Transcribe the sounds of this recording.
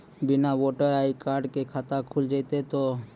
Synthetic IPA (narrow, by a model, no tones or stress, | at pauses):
binaboʈaɾajkaɾɖkekʰat̪akʰuld͡ʒajt̪et̪o